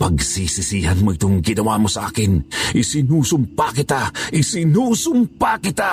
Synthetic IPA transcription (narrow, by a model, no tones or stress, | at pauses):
pɐɡsisisiːhanmoit̪ʊŋɡɪnɐwamosɐʔa̰ːkɪnʔɪsɪnuːsʊmpakɪt̪aʔɪsɪnuːsʊmpakɪt̪a